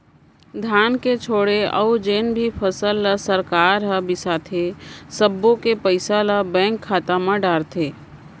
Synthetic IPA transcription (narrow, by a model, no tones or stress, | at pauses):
d̪ʱjaːnket͡ʃʰoːɽeɔ̰ːd͡ʒeːnbʱipʰəsəlːəsəɾkaːɾɦəbɪsat̪ʰesəbːõkepəɪsaləbɛ̃ːŋkʰːaːt̪amãɖaːɾt̪ʰeː